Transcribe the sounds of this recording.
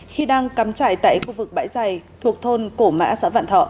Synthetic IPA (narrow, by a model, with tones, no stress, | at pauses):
xi˧ɗaː˧ŋkaː˨˦mt͡ɕaː˧˨jt̪a̰ː˧˨jxu˧vɨ˨˩k̚ɓa̰ː˧˥jza˨˩jt̪ʰu˨˩ək̚t̪ʰo˧nko˧˩ma̰ː˧˥sa̰ː˧˥va̰ː˧˨nt̪ʰɔ̰˧˨